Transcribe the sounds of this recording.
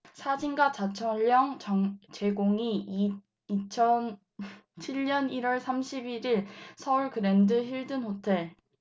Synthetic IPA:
sʰad͡ʑinɡat͡ɕat͡ɕʰʌŋʎːʌŋt͡ɕʌŋt͡ɕe̞ɡoŋi | it͡ɕʰʌn | t͡ɕʰiʎɲʌniɾwʌɭsʰamɕʰibiɾiɭsʰʌuɭkɯɾe̞ndɯçiɭdɯnɸotʰe̞ɭ

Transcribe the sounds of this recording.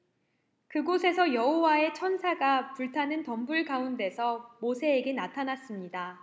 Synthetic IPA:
kɯɡosʰe̞sʰʌjʌɦowae̞t͡ɕʰʌnsʰaɡapuɭtʰanɯntʌmbuɭkaunde̞sʰʌmosʰe̞ːɡe̞natʰanas͈ɯmɲida

